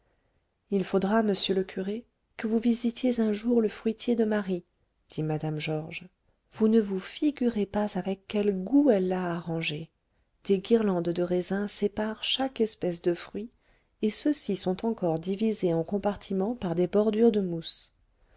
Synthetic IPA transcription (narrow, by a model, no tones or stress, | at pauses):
ilfod̪ʁaməsjøləkʰʲyʁe | kəvuvizit̪jezɛ̃ʒuʁləfχɥit̪jed̪əmaʁi | d̪̥imad̪amʒɔʁʒ | vunəvufiɡʲyʁepazavɛkːɛlɡuɛlːaːʁɑ̃ʒe | d̪̥eɡiʁlɑ̃d̪d̪əʁezɛ̃sepaʁʃakɛspɛs̬d̪əfχɥi | esəsisɔ̃t̪ɑ̃kɔʁd̪ivizeɑ̃kɔ̃paʁt̪ʰimɑ̃paʁd̪ebɔʁd̪yʁd̪əmus